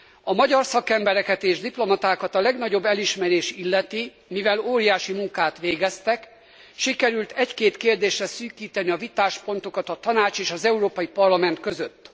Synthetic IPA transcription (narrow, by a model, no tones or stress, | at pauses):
ɒmɒɟɒrsɒkɛmbɛɾɛkɛt̪eːʒd̪iplo̞mɒt̪aːkɒt̪ɒlɛɡn̪ɒɟo̞bːɛliʃmɛɾeːʃilːɛt̪i | mivɛloːɾijaːʃimuŋkaːt̪ʋeːɡɛst̪ɛk | ʃikɛɾylt̪ɛckeːt̪keːrd̪eːʃrɛsyːkiːt̪ɛniɒvit̪aːʃpo̞nt̪o̞kɒt̪ɒt̪ɒnaːt͡ʃeːʃɒzɛuɾoːpɒjipɒrlɒmɛn̪t̪kø̞zøt̪ː